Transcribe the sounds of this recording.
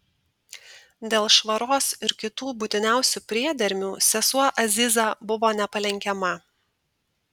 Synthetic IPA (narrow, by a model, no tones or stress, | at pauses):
d̪ʲeːlˠʃʋɐɾoːsɪɾkʲɪt̪uːbʊt̪ʲɪnʲæˑʊsʲupʲɾʲiɛd̪ʲɛɾʲmʲuːsʲɛsuɔʔɐzʲɪzɑbʊʋoːnʲɛpɐlʲɛŋʲkʲɛmɐ